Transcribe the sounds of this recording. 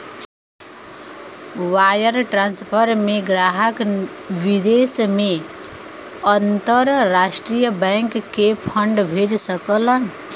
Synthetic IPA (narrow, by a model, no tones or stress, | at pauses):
wajəɾʈɾanspʰəɾmeɡɾaɦək | bid̪esme | ənt̪əɾːasʈɾijəbəŋkkːepʰʌɳɖbʱed͡ʒsəkələn